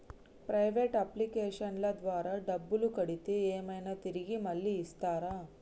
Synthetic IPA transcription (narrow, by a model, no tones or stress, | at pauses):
pɾɐjʋeːʈɐplikeːʂɐnlɐd̪ʋaːɾaːɖɐbːulukɐɽit̪eːeːmɐjnat̪iɾiɡimɐlːiːst̪aːɾaː